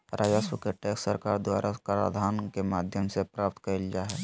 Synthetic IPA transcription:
ɾʔaːd͡ʒaswəkeʈeːksːəɾkaːɾd̪waːɾʔakaɾa̰d̪ʱaːnkemaːd̪ʱjəmsepɾaːp̚t̪kəɾeld͡ʒaːɦɛː

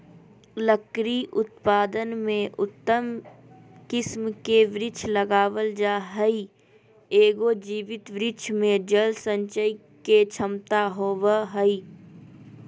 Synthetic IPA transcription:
ləkɾiʔʊt̪̚paːd̪ənmẽʔʊt̪ːəm | kɪsmkeʋɾɪt͡ʃʰləɡaːʋəld͡ʒaːɦəi | eːɡod͡ʒiːʋɪt̪ʋɾɪt͡ʃʰmẽd͡ʒəlsə̃ɲt͡ʃəi | ket͡ʃʰəmt̪aɦoːʋəɦəi

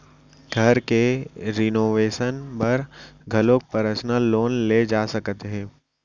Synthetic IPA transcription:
ɡʱɐɾkeɾɪnoːʋeːʃənpɐɾɡʱɐlok̚pəɾəsnəloːnleːd͡ʒaːsɐkt̪eɦɛ̃ː

